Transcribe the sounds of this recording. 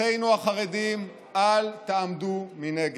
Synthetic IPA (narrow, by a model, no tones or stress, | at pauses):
ejnuaχaʁedim | alt̪aamd̪umineɡ